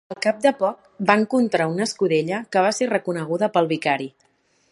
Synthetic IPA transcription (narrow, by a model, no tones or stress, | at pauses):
əlˠkap̚d̪əpɔk̚baŋkunt̪ɾaunəskuðeʎəkəβ̞aserəkunəɣ̞uðəpəlˠβikaɾi